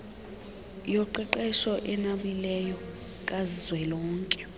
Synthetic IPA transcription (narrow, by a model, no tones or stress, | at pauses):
jɔǃɛǃɛʃɔʔɛnaɓilɛjɔ | kʼazizwɛlɔːŋkʼɛ̥